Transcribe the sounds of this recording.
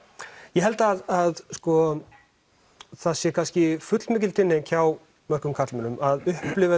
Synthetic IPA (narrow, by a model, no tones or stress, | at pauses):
jɛɦɛlt̪aðaðskɔ | θaðsjɛkʰanscɪfʏt̪lmɪːc̬ɪlt̪ʰɪnːɪncʰaw | mœr̥kʏmkʰat̪lmɪnʏmʔaðʏhplɪva